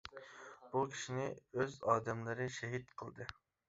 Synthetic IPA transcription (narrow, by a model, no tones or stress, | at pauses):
b̥ukʲʰi̥ʃinɪøzɑːd̪ɛmlɨɾɨʃɛɦit̪̚qʰəlˠd̪ɨ